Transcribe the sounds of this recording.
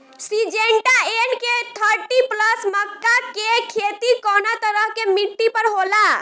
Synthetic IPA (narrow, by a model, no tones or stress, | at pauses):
sid͡ʒeɳʈaenket̪ʰəɾʈipləsməkːakekʰet̪ikɔnat̪əɾəɦkemiʈːipəɾɦola